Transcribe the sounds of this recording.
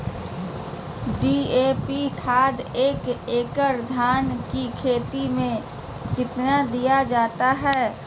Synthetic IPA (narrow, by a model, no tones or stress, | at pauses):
ɖiːeːpikʰaːd̪eːkeːkəɾd̪ʱaːnkikʰeːt̪imẽ | kɪt̪nad̪ijad͡ʒaːt̪aɦɛː